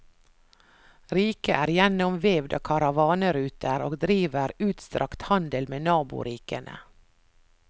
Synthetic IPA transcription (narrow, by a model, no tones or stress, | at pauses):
ɾiːkəʔæːɾjɛnɔmʋeːʋd̪ɑ̰ːkʰɑɾɑʋɑːnəɾʉːt̪ʰəɾoːɡd̪ɾiːʋəɾʉːt̪st̪ɾɑkt̪hɑnd̪əlmeːnɑːbʊ̰ɾiːkənʔə̰